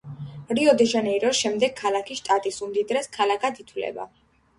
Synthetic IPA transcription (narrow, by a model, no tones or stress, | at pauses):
ɾiɔd̪ɛʒanɛiɾɔʃɛmd̪ɛɡ̚kʰːalakʰiʃt̪ʼat̪ʼisumd̪id̪ɾɛskʰalakʰad̪it̪ʰwlɛ̰ba̰